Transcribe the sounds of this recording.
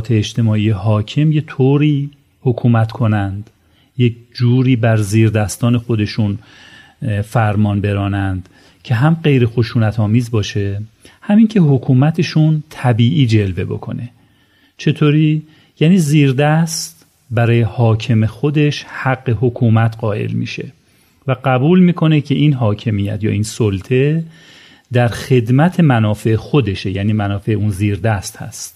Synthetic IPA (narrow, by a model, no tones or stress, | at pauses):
t̪ʰeːd͡ʒt̪ʰe̞mɒːiːjeɦɒːcʰe̞mje̞t̪ʰoːɾiː | hokʰuːmæt̪kʰo̞nænd̪ | je̞k̚ʰd͡ʒuːɾiːbæɾziːɾd̪æst̪ɒːne̞xo̞d̪e̞ʃun | fæɾmɒːnbe̞ɾɒːnænd̪̥ | cʰe̞ɦæmɢejɾe̞xo̞ʃuːnæt̪ʰɒːmiːzbɒːʃe̞hæmiːŋcʰe̞ɦokʰuːmæt̪ʰe̞ʃunt̪ʰæbiːʔiːd͡ʒe̞lve̞bo̞̰kʰo̞̰ne̞ | t͡ʃʰe̞t̪ʰoːɾiː | jæːniːziːɾd̪æst̪ | bæɾɒːjehɒːcʰe̞mexo̞d̪e̞ʃhæɡːe̞ɦokʰuːmæt̪ʰɢɒːe̞̰lmḭːʃe̞̰ | væɢæbuːlmiːkʰo̞ne̞cʰe̞ʔiːnɦɒːcʰe̞miːjæ̰t̪ʰjɒ̰ːiːnsolt̪ʰe̞ | d̪æɾxe̞d̪mæt̪ʰe̞mænɒːfe̞exo̞d̪e̞ʃejæːniːmænɒːfe̞eunziːɾd̪æst̪hæ̰st̪